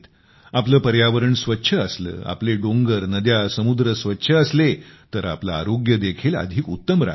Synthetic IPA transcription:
t̪ | apləːpəɾjaʋəɾəɳsʋətːɕʰəəslə̰ːa̰pleɖõŋɡəɾnəd̪jasəmud̪ɾəsʋət̪ːɕʰəːslet̪əɾa̰pla̰ːɾoɡjəd̪ekʰiːla̰d̪ʱiːkut̪ːəmɾa̰

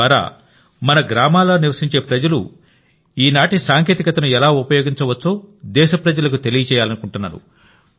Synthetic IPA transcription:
aːɾa̰ː | mɐnɐɡɾaːmaːloːniɾʋɐsiɲt͡ʃe̞ːpɾɐd͡ʒɐlṵ | iːnaːʈisaːŋk̬e̞ːt̪ikɐt̪ɐnuɛlaːupɐjo̞ːɡiɲt͡ʃɐʋɐt͡ʃːoːd̪ɛːʃɐpɾɐd͡ʒɐlɐkut̪elijɐt͡ʃɛːjaːlɐnukuɳʈunːa̰ːɾṵ

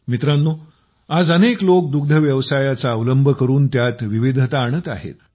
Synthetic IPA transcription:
mit̪ɾanːo | ad͡zəneklok̚d̪uɡ̚d̪ʱəʋjəʋsajat͡saəʋləmbʱəkəɾuːnt̪jat̪ʋiʋid̪ʱət̪aːɽ̃ət̪a̰ɦḛt̪

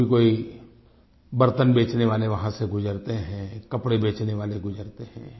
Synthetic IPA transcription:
ikoːi | bɐɾt̪ənbeːt͡ʃneʋaːleʋɐɦãseɡʊd͡ʒəɾt̪eɦɛ̃ːkɐpɽebeːt͡ʃneʋaːleɡʊd͡ʒəɾt̪eɦɛ̰̃ː

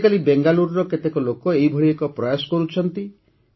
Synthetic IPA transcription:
kalibeŋɡaluɾɾɔket̪ekɔlokɔeɦibʱɔɽiekɔpɾɔjasɔ̥kɔɾut͡ʃʰɔnt̪i

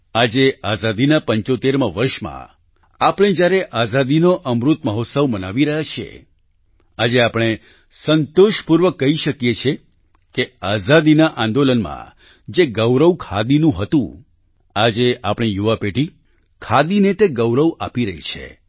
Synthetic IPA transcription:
ad͡ʒeazad̪inapəɲt͡ʃot̪eɾmãʋəɾʃmã̰ | apəɽ̃ɳ̃ed͡ʒjaɾeʔazad̪inoʔəmɾut̪məɦot̪səʋmənaʋiɾəɦjat͡ʃʰiḛ | ad͡ʒeapɽ̃e | sənt̪oʃpuɾʋəkːəɦiʃəkjet͡ʃʰe | keazad̪inaʔãnd̪olənmã̰ | d͡ʒeɡəwɾəʋkʰa̰d̪inũɦət̪ṵ̃ | ad͡ʒeʔapɽ̃ijuʋapeʈi | kʰad̪inet̪eɡəʋɾəʋa̰piɾəɦḭt͡ʃʰḛ

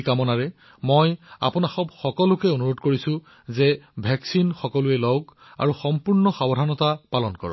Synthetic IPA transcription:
kamɔnaɹɛ | moja̰pʊnaxɔbxɔkɔlʊkɛonuɹotkoɹisʊ̃ | zɛbʱɛksinxɔkɔlʊɛlɔwɡ | a̰ɹuxɔmpuɹnɔxabɔdʱanɔtapalɔnkɔ̰ɹɔ̰

